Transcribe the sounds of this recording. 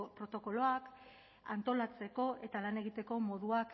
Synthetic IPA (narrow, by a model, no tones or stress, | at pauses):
pɾo̞t̪o̞ko̞lo̞ak | a̰nt̪o̞lat͡se̞ko̞ʔe̞t̪alane̞ɣ̞it̪e̞ko̞mo̞ðuak